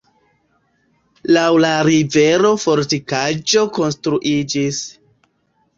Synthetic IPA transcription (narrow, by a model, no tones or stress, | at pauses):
lawlaɾive̞ɾo̞fo̞ɾtikad͡ʒo̞ko̞nstɾuʔid͡ʒis